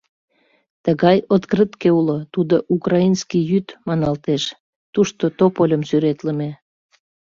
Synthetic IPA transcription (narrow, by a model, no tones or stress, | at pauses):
t̪əɣɑjot̪krət̪keulot̪ud̪oʔukrɑinskijyt̪mɑnɑlt̪eʃ | t̪uʃt̪ot̪opolʲəmsyɾet̪ləme